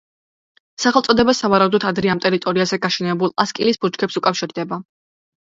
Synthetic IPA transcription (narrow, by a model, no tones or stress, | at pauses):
saχɛlˠt̪sʼɔd̪ɛbasavaɾaud̪ɔt̪ʰad̪ɾɛamt̪ʼɛɾit̪ʼɔɾiazɛɡaʃɛnɛbulˠaskʼilisbut͡ʃkʰɛpsukʼafʃiɾd̪ɛba